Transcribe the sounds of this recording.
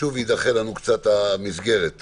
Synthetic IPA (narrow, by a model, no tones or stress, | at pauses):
uvid̪aχelanukt͡sat̪amisɡe̞ʁet